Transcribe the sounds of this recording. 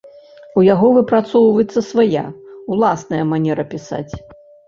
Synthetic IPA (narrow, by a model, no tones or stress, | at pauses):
ujaɣɔvɨpɾat̪sɔwvɐjɛt̪sːɐsvaja̰ulˠasnɐjɐmanʲɛɾɐpʲisa̰t͡sʲ